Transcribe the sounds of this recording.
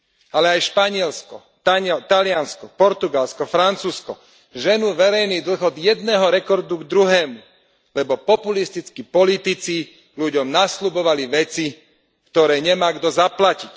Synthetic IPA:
alɛajʃpaɲɪɛlskɔ | t̪at̪alɪanskɔpɔɾt̪uɡalskɔfɾant͡suːskɔ | ʒɛnuʋɛɾɛjniːd̪l̩ɣɔd̪jɛd̪̚nɛːɦɔɾɛkɔɾd̪uɡd̪ɾuɦɛːmu | lɛbɔpɔpulist̪it͡skipɔlit̪it͡si | luɟɔmnaslubɔʋaliʋɛt͡si | kt̪ɔɾɛːɲɛmaːɡd̪ɔzaplacic

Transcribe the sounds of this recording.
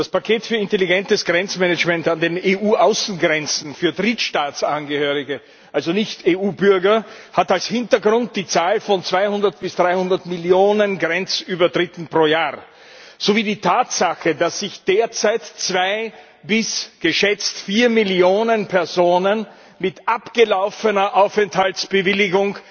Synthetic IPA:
d̥aspakʰeːtfyːɐɪnteliɡɛntəsɡ̥ʁɛnt͡smɛnəd͡ʒmɛntandeːneːʔuːʔaʊsn̩ɡʁɛnt͡sn̩fyːɐdʁiːtʃtaːtsʔanɡəhøːʁɪɡə | ʔalzonɪçteːuːbʏɐɡɐhatalshɪntɐɡʁʊnt̚d̥iːt͡saːlfɔnt͡sv̥aɪhʊndɐt̚b̥ɪsd̥ʁaɪhʊ̃ndɐtmiljoːnənɡʁɛnt͡syːbɐdʁɪtn̩pʁ̥oːjaːʁ | z̥oviːdiːtʰaːtz̥axədasːɪçd̥eːɐt͡saɪtt͡sv̥aɪ | bɪsɡ̥əʃɛt͡stfiːɐmɪljoːnənpʰɛɐzoːnən | mɪtʔapɡ̥əlaʊfənɐʔaʊfɛnthaltsb̥əvɪlɪɡʊŋ

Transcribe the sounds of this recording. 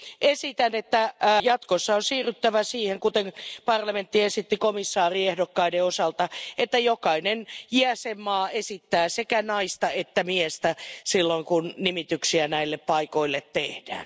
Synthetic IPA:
ʔesit̪ænet̪ːæjɑt̪kosːɑonsiːryt̪ːæʋæsiːheŋkut̪enpɑrlɑment̪ːiesit̪ːikomisːɑːriehdokːɑideosɑlt̪ɑet̪ːæjokɑinenjiæsemmɑːesit̪ːæːsekænɑist̪ɑet̪ːæmiest̪æsilːoiŋkunnimit̪yksiænæilːeppɑikoilːet̪tehd̥æ̰ːn

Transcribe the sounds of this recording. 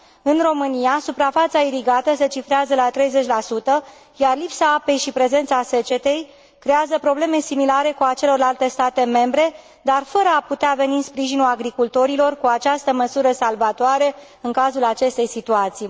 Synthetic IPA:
ɨnro̞mɨnijasupɾafat̪saiɾiɡat̪əse̞t͡ʃifɾeazəlat̪ɾe̞jze̞t͡ʃʲlasut̪ə | jarlipsaape̞jʃipɾe̞ze̞nt̪sase̞t͡ʃe̞t̪e̞j | kɾe̞azəpɾo̞ble̞me̞similaɾe̞kuat͡ʃe̞lo̞rlalt̪e̞st̪at̪e̞me̞mbɾe̞ | d̪arfəɾəaput̪eave̞ninspɾiʒinulaɡɾikult̪o̞ɾilo̞rkuat͡ʃast̪əməsuɾəsalvat̪oaɾe̞ | ɨŋkazulat͡ʃe̞st̪e̞jsit̪uat̪sij

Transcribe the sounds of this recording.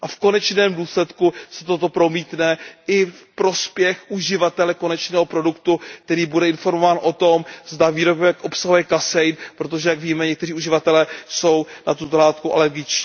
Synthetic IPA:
ʔafko̞nɛt͡ʃnɛːmduːslɛt̪kusɛt̪o̞t̪opɾo̞miːt̪nɛɪfpɾo̞spjɛxʔuʒɪvat̪ɛlɛko̞nɛt͡ʃnɛːɦo̞pɾo̞dukt̪uk̚t̪ɛɾiːbudɛɪnfo̞ɾmo̞vaːnʔo̞t̪o̞mzd̪aviːɾobɛkʔo̞psaɦujɛkasɛjnpɾo̞t̪̬o̞ʒɛjaɡviːmɛɲɛk̚t̪ɛriːuʒɪvat̪ɛlɛːso̞wnat̪ut̪olaːt̪kuʔa̰lɛɾɡɪt͡ʃciː

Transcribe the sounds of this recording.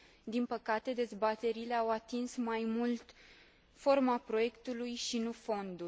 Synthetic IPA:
d̪inpəkat̪e̞d̪e̞zbat̪e̞ɾile̞awat̪insmajmult̪ | fo̞rmapɾo̞je̞kt̪ulujʃinufo̞nd̪u

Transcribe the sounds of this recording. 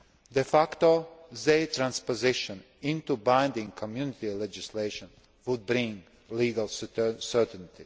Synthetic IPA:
d̪ɛfakt̪ozet̪ɾãnspozɪʃɔ̃n | ɪ̃nt̪ubãɪ̃nd̪ɪ̃ŋɡkʰɔmjunɪt̪ilɛd͡ʒɪsleɪʃɔ̃n | ʋʊd̪̚bɾɪ̃ŋ | liːɡalˠssə˞t̪ɛ̃nt̪i

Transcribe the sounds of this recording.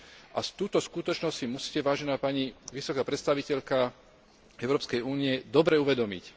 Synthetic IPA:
ʔast̪uːt̪ɔskut̪ɔt͡ʃnɔssimusi̥ːcɛʋaːʒɛnaːpaːɲiʋisɔkaːpɾɛt̪st̪aʋicɛʎka | ɛʊɾɔːpskɛjuːniɛd̪ɔbɾɛuʋɛd̪ɔmḭc

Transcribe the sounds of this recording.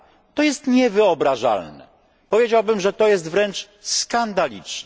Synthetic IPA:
t̪ɔjɛst̪ɲɛvɘɔbɾaʐa̰lnɛ̰ | pɔvʲjed͡ʑawbɘmʐɛt̪ɔjɛs̬t̪vɾɛnt͡ʂ | skand̪alʲḭt͡ʂnɛ

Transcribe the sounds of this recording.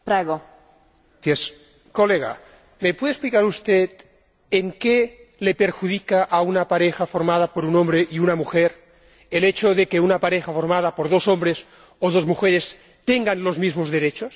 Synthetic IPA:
pɾaɣo | jes | ko̞leɣa̰ | mepweðesplikaɾust̪et̪ | eŋkelepeɾxuðikaʔaunapaɾexafo̞ɾmað̞apoɾunõ̞mbɾeʔiunamuxeɾ | elet͡ʃoðekeunapaɾexafo̞ɾmað̞apoɾðo̞so̞mbɾes | oð̞o̞zmuxeɾes | t̪eŋɡanlo̞zmizmozðe̞ɾet͡ʃos

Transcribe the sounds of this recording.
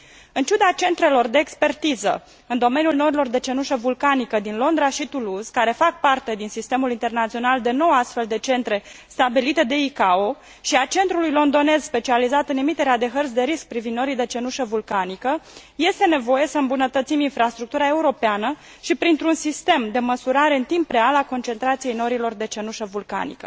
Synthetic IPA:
ɨnt͡ʃud̪at͡ʃe̞nt̪ɾe̞lo̞rd̪e̞ːkspe̞rt̪izə̰ | ɨnd̪o̞me̞njulno̞ɾilo̞rd̪e̞t͡ʃe̞nuʃəvulkanikəd̪inlo̞nd̪ɾaʃit̪uluzkaɾe̞fak̚part̪e̞d̪insist̪e̞mulint̪e̞rnat̪sio̞nald̪e̞no̞wast̪fe̞ld̪e̞t͡ʃe̞nt̪ɾe̞st̪abilit̪e̞d̪e̞ikao̞ | ʃiat͡ʃe̞nt̪ɾulujlo̞nd̪o̞ne̞zspe̞t͡ʃializat̪əne̞mit̪e̞ɾead̪e̞ɦərt̪sd̪e̞ɾisk̚pɾivind̪o̞ɾijd̪e̞t͡ʃe̞nuʃəvulkanikəje̞st̪e̞ne̞vo̞je̞səɨmbunət̪ət̪siminfɾast̪ɾuk̚t̪uɾae̞uɾo̞peanə | ʃipɾint̪ɾunsist̪e̞md̪e̞məsuɾaɾe̞ɨnt̪impːɾealako̞nt͡ʃe̞nt̪ɾat̪sije̞jno̞ɾilo̞rd̪e̞t͡ʃe̞nuʃəvulka̰nḭkə̰

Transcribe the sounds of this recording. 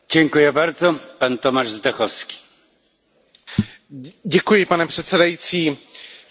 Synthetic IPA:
ɟɛŋkujɛbaɾzɔpant̪omaʒzd̪ɛxofski̥ː | ɟɛkujɪpanɛpr̥ɛt̪sɛdajit͡siː

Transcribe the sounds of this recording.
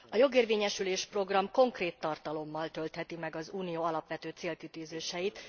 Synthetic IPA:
ɒjo̞ɡeːrveːɲɛʃyleːʃpro̞ɡrɒmko̞ŋkreːt̪ːɒrt̪ɒlo̞mːɒlt̪ø̞lt̪hɛt̪imɛɡɒzuːnijoːɒlɒpʋɛt̪øːt̪seːlkit̪yːzeːʃɛjit̪

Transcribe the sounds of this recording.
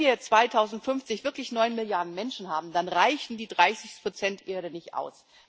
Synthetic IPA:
iːɐt͡sv̥aɪtʰaʊzn̩tfʏnft͡sɪçv̥ɪɐklɪçnɔʏnmɪljaɐdn̩mɛnʃn̩haːbm̩d̥anʁaɪçn̩diːdʁaɪsɪçpʁ̥ot͡sɛntʔeːɐɾənɪçtʔa̰ʊs

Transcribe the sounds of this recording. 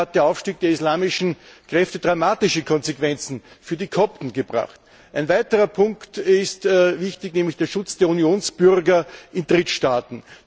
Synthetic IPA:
at̚d̥eɐaʊfʃtiːk̚d̥eːɐislaːmɪʃn̩kʁ̥ɛftəd̥ʁamaːtɪʃəkʰɔnzekv̥ɛnt͡sn̩fyːɐdikʰɔp̚tn̩ɡəbʁa̰χt | ʔæɪnvæɪtəʁɐpʰʊŋktɪstvɪçtɪçnɛːmlɪçd̥eːɐʃʊt͡sd̥eːɐunjoːnsb̥ʏʁɡɐʔɪndʁɪtʃtaːtn̩

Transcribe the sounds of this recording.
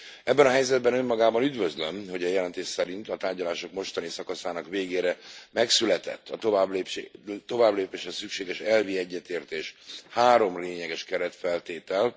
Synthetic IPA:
ɛbːɛnɒɦɛjzɛd̪̚bɛnømːɒɡaːbɒnyd̪vøzlømho̞ɟɛjɛlɛnt̪eːʃsɛɾint̪ɒt̪aːrɟɒlaːʃo̞kmo̞ʃt̪ɒnisɒkɒsaːnɒkʋeːɡeːɾɛmɛksylɛt̪ɛ̰t̪ʰːɒt̪oablt̪o̞vaːbleːpeːʃɛsykʃeːɡɛʃɛlviɛɟːɛt̪eːrt̪eːʃhaːɾo̞mleːɲɛɡɛʃkɛɾɛt̪fɛlt̪eːt̪ɛl

